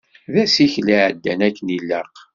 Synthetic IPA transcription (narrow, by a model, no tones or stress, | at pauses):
ðæsiçliʕəd̪ːænækːənilːəɾq